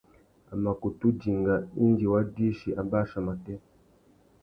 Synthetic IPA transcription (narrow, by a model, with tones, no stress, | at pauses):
a˨ma˨ku˨tu˦d͡ʒi˨ŋɡa˨i˦nd͡ʒi˨wa˦di˦ʃi˨ʔa˨ba˦ʃa˨ma˨tɛ˦